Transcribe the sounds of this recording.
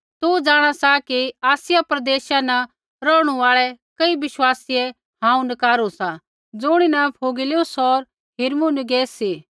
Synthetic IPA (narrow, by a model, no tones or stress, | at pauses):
t̪ud͡ʒaːɽ̃asakiaːsɪjapɾɐd̪eːʃanɐ | ɾɔːɽ̃ũaːɭɛkɐibɪʃwaːsiɛ | ɦãːũnɐkaːɾusa | d͡zʊɽ̃inɐpʰoːɡɪlusɔɾ | ɦɪɾmunɪɡeːsiː